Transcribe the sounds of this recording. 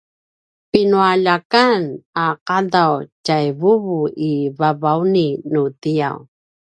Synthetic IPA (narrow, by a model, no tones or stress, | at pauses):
pinuaʎakanaqadawcajvuvuʔivavawninutija̰w